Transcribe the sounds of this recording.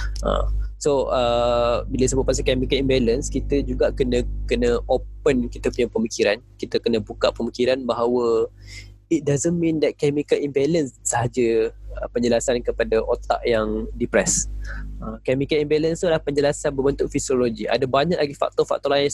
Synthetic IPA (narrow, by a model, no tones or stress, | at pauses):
ʔə̰soəbilaisəbʊt̚pasəkɛmikəlimbɛlənskit̪əd͡ʒuɡaʔkənə̃kənə̃ʔopənkit̪əpuɲapəmikiɾankit̪əkənə̃bukaʔpəmikiɾanbaɦawə | it̪̚dazəmmĩndɛt̪̚kɛmikəlimbɛlənsːaɦad͡ʒəəpəɲd͡ʒəlasankəpadaʔot̪a̰ʔjaŋdipɾɛsəkɛmikəlimbɛlənst̪ulahpəɲd͡ʒəlasanbəbənt̪ʊʔfisioloɡiʔa̰dabaɲak̚laɡifa̰k̚t̪ɔfa̰k̚t̪ɔlain